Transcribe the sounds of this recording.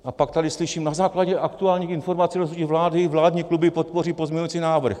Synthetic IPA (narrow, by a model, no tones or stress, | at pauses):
ʔapak̚t̪adɪslɪʃiːmnazaːklaɟɛʔak̚t̪uaːlɲiːxɪnfo̞ɾmat͡siːɾosucivlaːdɪvlaːdɲiːklubɪpot̪̚poriːpozmʲɲɛɲujit͡siːnaːvr̩x